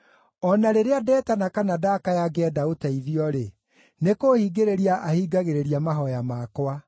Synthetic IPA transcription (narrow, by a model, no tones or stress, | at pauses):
ɔnaɾeɾeadɛːtanakanadakajaɡɛɛdaotɛiðiɔɾe | nekoːhiːɡeɾeɾiaʔahiːɡaɣeɾeɾiamaɦɔjamakwa